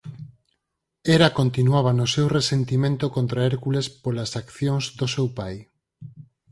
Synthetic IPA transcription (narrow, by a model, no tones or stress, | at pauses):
eɾakont̪inuaβ̞anosewresent̪imẽnt̪okont̪ɾaeɾkulespolasakθjoŋzðosewpaj